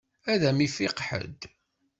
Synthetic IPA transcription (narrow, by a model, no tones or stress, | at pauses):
æðæmifɪqħə̰d̪